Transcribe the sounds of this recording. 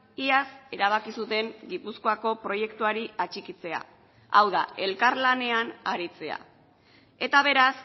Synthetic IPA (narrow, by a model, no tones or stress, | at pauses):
iase̞ɾaβ̞akisut̪e̞ŋɡipusko̞ako̞pɾo̞je̞kt̪uaɾiat͡ʃikit͡se̞a̰ | awðae̞lkaɾlane̞anaɾit͡se̞a̰ | e̞t̪aβ̞e̞ɾas